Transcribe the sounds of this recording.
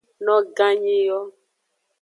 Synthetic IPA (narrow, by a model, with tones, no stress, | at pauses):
nɔ̃˦ɡã˦ɲi˦jɔ˦